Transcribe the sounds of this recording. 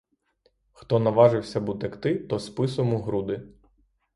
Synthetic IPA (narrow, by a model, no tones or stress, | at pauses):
xt̪ɔnɐʋɑʒɪwsʲɐbut̪ɐkt̪ɪt̪ɔspɪsɔmʊɦɾud̪ɪ